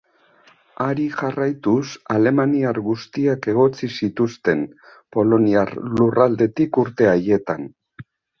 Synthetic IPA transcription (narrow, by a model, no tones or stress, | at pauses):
aɾiʝarajt̪usale̞maniaɾɣust̪iake̞ɣ̞o̞t͡sisit̪ust̪e̞n | po̞lo̞niarlurald̪e̞t̪ikuɾt̪e̞aje̞t̪an